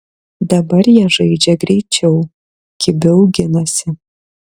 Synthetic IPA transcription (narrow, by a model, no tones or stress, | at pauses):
d̪ɐbɐrjɛʒɐɪd͡ʒʲɛɡɾʲɛɪt͡ʃʲʰɛʊ | kʲɪbʲɛʊɡʲɪnɐsʲɪ